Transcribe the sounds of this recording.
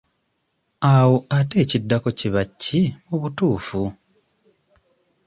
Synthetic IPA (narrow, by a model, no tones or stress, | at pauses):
awoate̞ːcidːako̞ciβacːimuβutuːfu